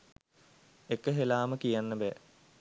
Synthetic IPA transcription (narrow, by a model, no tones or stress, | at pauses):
ekəɦelaːməkijanːəbɛː